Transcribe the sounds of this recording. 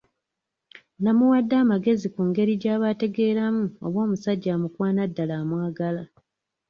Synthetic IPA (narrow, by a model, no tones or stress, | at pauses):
namuwadːaːmaɡe̞zikuŋɡe̞ɾiɟaːβate̞ɡe̞ːɾamuo̞̰βwo̞ːmusaɟːamukwaːnadːalamwaːɡala